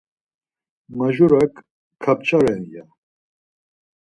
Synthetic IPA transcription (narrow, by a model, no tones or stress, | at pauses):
maʒɔɾakʰː | ap̚t͡ʃʰʼaɾɛnja